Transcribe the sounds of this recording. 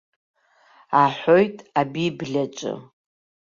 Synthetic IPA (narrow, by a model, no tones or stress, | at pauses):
aħʷojtʼabibɮʲat͡ʃʼɨ̰